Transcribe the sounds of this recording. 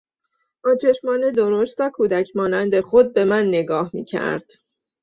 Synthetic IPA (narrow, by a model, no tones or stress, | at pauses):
ʔɒːt͡ʃʰe̞ʃmɒːne̞d̪oɾost̪ɒːkʰuːd̪æcʰmɒːnænd̪exo̞d̪̚be̞mænːe̞ɡɒːhmḭːcʰæ̰ɾd̪̥